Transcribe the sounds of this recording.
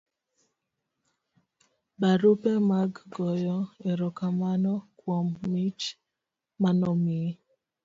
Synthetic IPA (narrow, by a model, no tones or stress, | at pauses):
baɾupemaɡɡɔjɔeɾɔkamanɔkwɔmːit͡ʃ | manɔmi